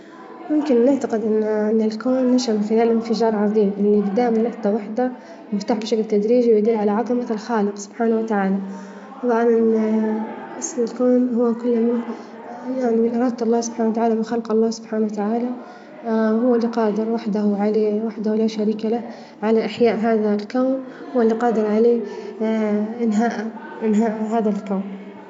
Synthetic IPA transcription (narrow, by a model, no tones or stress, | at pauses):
mʊmkɪnːɪʕt̪aqɪd̪ʔɪnːʔɪnːɪlkoːnːaʃamɪxɪlaːlʔɪnfɪd͡ʒɑːɾˤʕɑðˤiːmʔɪnːibɪd̪aːʔmanwɑqd̪awaħd̪a | mɪft̪aːħbɪʃaklt̪ad̪ɾiːd͡ʒiwjad̪ɪlːʕalaʕɑðˤɑmalxɑːlɪqsʊb̥ħaːnawat̪aʕaːla | t̪ˤɑbʕɑnʔɪn | ʔɑsˤnɪlkoːnhʊwːakʊlːmɪn | jaʕnimɪnʔɑɾˤɑːd̪ɑlːɑːsʊb̥ħaːnawat̪aʕaːlamɪnxalqɑlˤːɑːsʊb̥ħaːnawat̪aʕaːla | hʊwːalːiqɑːd̪ɪɾwaħd̪ahʕalewaħd̪ahlaʃaɾiːkala | ʕalaʔaħjaːʔɦaːðalkawnhʊwːalːiqɑːd̪ɪɾʕaleː | ɪnɦaːʔa | ɪnɦaːʔɦaːðalkaːn